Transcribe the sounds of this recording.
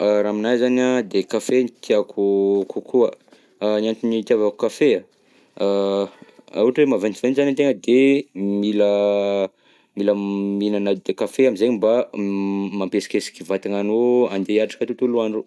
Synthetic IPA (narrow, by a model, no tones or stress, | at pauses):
ɾaːminajzanad̪ekafent̪iakʰukʰukʰuə | nianʈ͡ʂunit̪iavaku̥kafea | a̰uʈ͡ʂwemavent͡sivenzanit̪̬eŋəd̪emilə | miləminanad̪ekafeamizeɲimba | mampesi̥kesi̥kivat̪aŋanoand̪eaʈ͡ʂḁkət̪ut̪uluanro